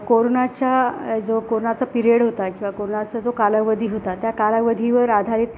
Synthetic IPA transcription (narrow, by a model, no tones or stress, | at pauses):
koɾonat͡ɕjad͡zokoɾonat͡səpiɾieɽɦot̪akĩw̃ʋakoɾonat͡səd͡zokaləʋəd̪ʱiːɦot̪at̪jakaləʋəd̪ʱiʋəɾad̪ʱaɾiːt̪̚